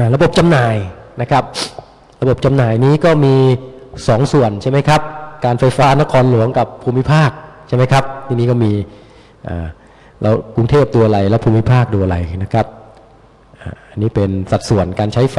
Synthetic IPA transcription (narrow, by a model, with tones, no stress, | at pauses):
ʔaː˨˩ɾa˧bo˨˩p̚t͡ɕa˧mnaː˨˩jna˦˥kʰɾa˦˥p̚ | ɾa˧bo˨˩p̚t͡ɕa˧mnaː˨˩jniː˦˥kɔː˥˩miː˧sɔː˩˦ŋsu˨˩ənt͡ɕʰa˥˩jma˦˥jkʰa˦˥p̚kaː˧nfa˧jfaː˦˥na˦˥kʰɔː˧nlu˨˩˦əŋka˨˩pʰːuː˧mːi˦˥pʰaː˥˩k̚t͡ɕʰa˥˩jma˥jkʰa˦˥p̚t̪ʰiː˧niː˦˥kɔː˥˩miː˧ | ʔa̰ː˨˩ | ɾʔa˧wku˧ŋt̪ʰeː˥˩p̚duː˧ɐla˧jlɛː˦˥pʰuː˧mːi˦˥pʰaː˥˩k̚duː˧a˧ɾa˧jna˦˥kʰɾa˦˥p̚ | ʔaː˨˩ʔa˧nːiː˦˥pe˧nsa˨˩t̪̚su˨˩ənkaː˧nt͡ɕʰa˦˥jf